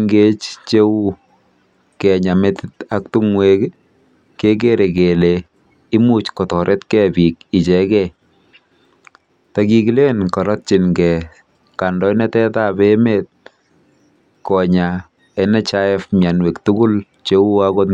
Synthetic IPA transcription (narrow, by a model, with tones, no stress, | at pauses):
ŋɡe˦t͡ʃt͡ʃe˦u˦ | kɛ˨ɲa˨metɪta˦k̚tu˦ŋwe˦k | ke˦k̬e˦ɾe˨ke˨le | ɪ˦mu˦t͡ʃkɔ˨tɔ˨ɾʔɛ˦tkɛbi˨ki˨t͡ʃɛ˨kɛ | taki˨kile˦nkɔ˨ɾɔ˦t̚t͡ʃɪnɡɛ˨ | ka˨ndɔ˦jnɛ˦tɛ˦ta˦be˦met̚ | kɔ˨ɲa | ɛnɛ˦t͡ʃa˦ɛfmjanwɛ˨ktukʊ˦l | t͡ʃe˦u˦ako˦t